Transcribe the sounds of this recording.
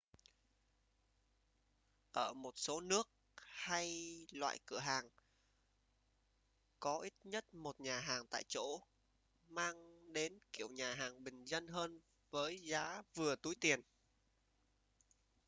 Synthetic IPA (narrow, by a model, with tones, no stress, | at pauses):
ʔəː˧˩mo˨˩t̚so˨˦nɨ˦˥ək̚ | ha˧jlwa̰ː˧˨jkɨ˧˩əɦaː˨˩ŋ | kɔ˨˦ʔi˦˥t̚ɲə˦˥t̚mo˨˩t̚ɲaː˨˩ɦaː˨˩ŋt̪a̰ː˧˨jt͡ɕo̰˧˥ | maː˧ŋɗe˨˦nki˧˩əwɲaː˨˩ɦaː˨˩ŋɓï˨˩ŋ̟zə˧nɦəː˧n | vəː˨˦jzaː˨˦vɨ˨˩ət̪u˨˦jt̪i˨˩ən